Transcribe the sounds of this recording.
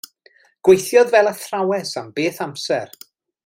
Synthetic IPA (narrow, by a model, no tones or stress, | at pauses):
ɡ̥wejθjɔðvɛlˠaθrawɛsambeːθamsɛr